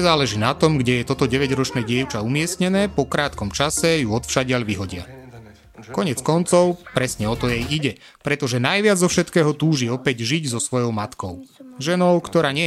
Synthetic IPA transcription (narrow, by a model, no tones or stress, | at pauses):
zaːlɛʒiːnat̪ɔmɡɟɛjɛt̪ɔt̪ɔɟɛʋɛɟɾɔt͡ʃnɛːɟɪɛʊt͡ʃaumɪɛsɲɛnɛːpɔkɾaːt̪kɔmt͡ʃasɛjuɔt̪fʃaɟɪaʎʋiɦɔɟɪa̰ | kɔɲɪɛt͡skɔnt͡sɔʊpɾɛsɲɛɔt̪ɔjɛjiɟɛ | pɾɛt̪ɔʒɛnajʋɪad͡zzɔfʃɛt̪kɛːɦɔt̪uːʒiɔpɛɟʒiɟzɔsʋɔjɔʊmat̪kɔʊʒɛnɔʊkt̪ɔɾaːɲɛ